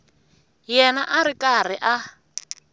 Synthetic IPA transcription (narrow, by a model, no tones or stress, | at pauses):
jɛnaʔaɾikʼar̤iʔa